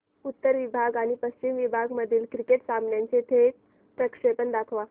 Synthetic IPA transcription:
ut̪ːəɾʋibʱaɡaɽ̃ipəst͡ɕimʋibʱaɡməd̪ʱiːlkɾikeʈsamnjãɲt͡set̪ʰe | pɾəkʂepənd̪akʰʋa

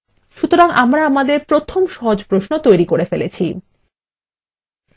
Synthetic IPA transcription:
ʃut̪oɾaŋamɾaamad̪eɾpɾot̪ʰomʃɔɦod͡ʑpɾoʃnot̪ojɾikoɾefelet͡ɕʰi

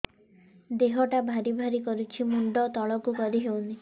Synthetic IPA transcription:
d̪eɦɔʈabʱaɾibʱaɾikɔɾut͡ʃʰimuɳɖɔt̪ɔɭɔkukɔɾiɦewni

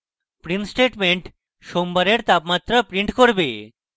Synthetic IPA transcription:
pɾinsʈeʈmeɳʈ | ʃombaɾeɾt̪apmat̪ːɾapɾiɳʈkoɾbe

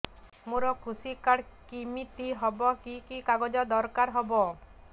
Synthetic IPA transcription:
muɾɔkʰusikaɽkimit̪iɦɔbɔkikikaɡɔd͡ʒɔd̪ɔɾkaɾɦɔbɔ

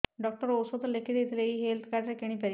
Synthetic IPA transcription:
ɖɔk̚ʈɔɾowsod̪ɔlekʰid̪ejt̪ʰileiɦelt̪ʰkaɾʈɾekeɽ̃ipaɾi

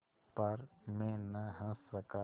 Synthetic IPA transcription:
pɐɾmẽːnəɦə̃səka

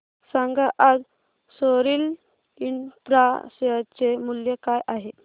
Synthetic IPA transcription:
saŋɡaʔad͡z | soɾil | int̪ɾast͡semuljəkajʔaɦe

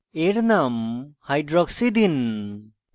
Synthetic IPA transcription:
eɾnamhajdɾɔksid̪in

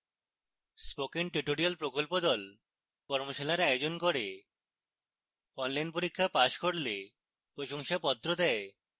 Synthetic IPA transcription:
spokinʈɾiʈoɾialpɾokolpod̪ɔl | kɔɾmoʃalaɾaeod͡ʑonkoɾe | ɔnlajnpoɾikʰːapaʃkoɽle | pɾoʃoŋʃapɔt̪ːɾod̪ɛe

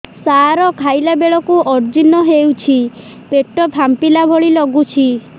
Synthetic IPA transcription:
saɾɔkʰajlabeɭɔkuʔɔɾd͡ʒinɔɦewt͡ʃʰi | peʈɔbʱampilabʱɔɭilɔɡut͡ʃʰi

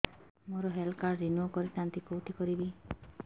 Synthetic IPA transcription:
moɾɔɦɛlkaɾɾinuokɔɾisant̪ikowʈʰikɔɾibi

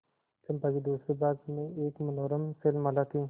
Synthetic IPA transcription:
t̪ɐmpaɡid̪uːsɾibaːd̪mẽeːkmɐnoːɾəmselmɐlat̪ʰiː

